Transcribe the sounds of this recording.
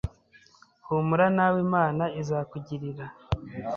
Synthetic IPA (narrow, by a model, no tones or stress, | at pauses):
humuɾanawimaːnaizaːkuɟiɾiɾa